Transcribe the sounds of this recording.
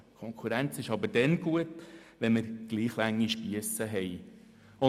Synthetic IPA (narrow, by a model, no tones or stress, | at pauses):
kʰɔŋkʰuɾænt͡sɪʃɑbəɾd̥ɛnɡ̥uətʋɛnməɾɡ̥liːχlæŋːiʃpiəsəɦɛj | ʊ